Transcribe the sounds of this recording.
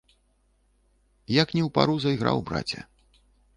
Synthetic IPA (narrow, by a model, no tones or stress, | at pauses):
jaknʲɛwpa̰ɾuzɐjɣɾa̰wbɾa̰t͡sʲɐ̰